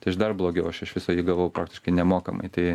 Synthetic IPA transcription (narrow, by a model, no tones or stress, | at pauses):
t̪ɐɪɐʃd̪ɐrblˠoːɡʲɛʊɐʃɐʃʋʲɪsoːjiːɡɐʋɐʊpɾɑːkt̪ʲɪ̥ʃkɐɪnʲɛmoːkɐmɐ̰ɪt̪ɐɪ